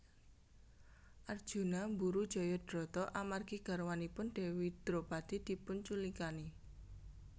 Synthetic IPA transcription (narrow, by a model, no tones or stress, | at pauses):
ʔard̥ʒ̥ṳnambuɾud̥ʒ̥ɔ̤jɔd̥ɾɔt̪ɔʔamarɡiɡ̥a̤ɾwanipʊnɖ̥e̤wid̪̥ɾob̥a̤d̪̥i̤d̪̥i̤pʊnt͡ʃulikani